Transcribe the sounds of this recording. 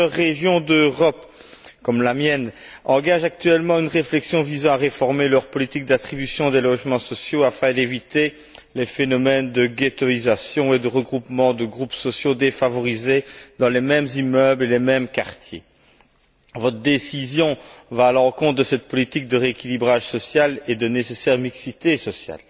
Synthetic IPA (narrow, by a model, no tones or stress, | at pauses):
əʁːeʒjɔ̃d̪øʁɔp | kɔmlamjɛn | ɑ̃ɡaʒak̚t̪yɛlmɑ̃ynʁeflɛksjɔ̃vizɑ̃aʁefɔʁmelœʁpɔlit̪ik̚d̪at̪χibysjɔ̃d̪elɔʒmɑ̃sɔsjoafɛ̃d̪evit̪e | lɛfenɔmɛnd̪əɡʲet̪ɔizasjɔ̃ed̪əʁəɡʁupmɑ̃d̪əɡʁupsɔsjod̪efavɔʁized̪ɑ̃lemɛmzimœblelemɛmkaʁt̪ʰjḛ | vɔt̪χəd̪esizjɔ̃vaːlɑ̃kɔ̃t̪̚d̪əsɛt̪̚pɔlit̪ik̚d̪əʁeekʲilibʁaʒsɔsjaled̪ənesesɛʁmiksit̪esɔsja̰l